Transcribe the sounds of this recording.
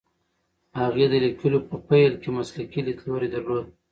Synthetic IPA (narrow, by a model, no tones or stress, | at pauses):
haɣed̪əlikəlopəpajlkemaslakilit̪loɾed̪əɾlod̪̚